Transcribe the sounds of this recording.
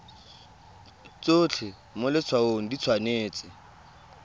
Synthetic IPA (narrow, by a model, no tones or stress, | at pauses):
t͡sot͡ɬʰɪ | mʊlɪt͡sʰwaoŋ̩dit͡sʰwaneːt͡sʼɪ